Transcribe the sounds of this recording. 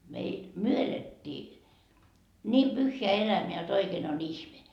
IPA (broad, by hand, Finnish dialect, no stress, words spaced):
meil myø eletːiː niːm pyhːeæ elæmeæ jot oikeːn on ihme